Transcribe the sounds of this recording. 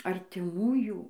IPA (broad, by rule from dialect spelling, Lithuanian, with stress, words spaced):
ɐrʲtʲɪˈmuːjuː